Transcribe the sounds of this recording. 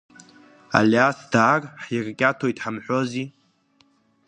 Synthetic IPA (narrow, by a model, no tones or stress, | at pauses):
a̰liasd̥aːrʼħjirkʲʼatʰo̞jtʼħamħʷᶣozi